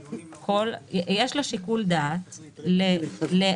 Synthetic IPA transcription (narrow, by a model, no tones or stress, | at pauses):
kʰoljeʃloʃikuld̪at | lele